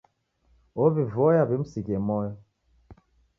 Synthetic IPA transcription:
obivɔjabim̩sikɛmɔjɔ

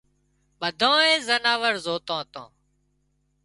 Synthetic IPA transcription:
ɓəd̪ʱõːẽːzənaːʋəɾzoːt̪ãːt̪ã̰ː

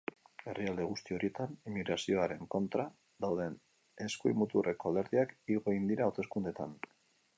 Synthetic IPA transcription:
e̞riald̪e̞ɣ̞ust̪io̞ɾie̞t̪animiɣɾasio̞aɾe̞ŋko̞nt̪ɾa | ðawðe̞n | e̞skuḭmut̪ure̞ko̞ald̪e̞ɾðiakiɣo̞ind̪iɾaowt̪e̞skund̪e̞t̪a̰n

